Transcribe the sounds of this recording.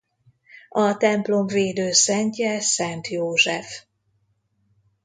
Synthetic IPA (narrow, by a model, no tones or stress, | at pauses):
ɒt̪ɛmplomveːd̪øːsɛɲcɛsɛnt̪joːʒɛf